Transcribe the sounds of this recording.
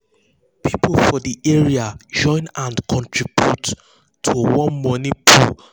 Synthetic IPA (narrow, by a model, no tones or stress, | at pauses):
pʰiplfɔdiʔɛɹiad͡ʒɔ̃ɪ̃nãnkʰɔ̃ntʰɹibjutʰː | owɔ̃nmɔnipʰu